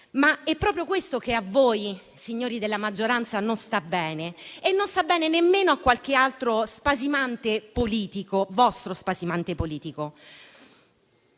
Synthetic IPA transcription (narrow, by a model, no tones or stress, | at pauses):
maɛpːɾɔːp̬ɾjokwest̪okeavːoːj | siɲːoːɾid̪elːamad͡ʒːoɾant̪sanonst̪abːɛːneːnːonst̪abːɛːnenemːeːnoakːwalk̟ealt̪ɾospazimant̪epoliːt̪ikovɔst̪ɾospazimant̪epoliːt̪iko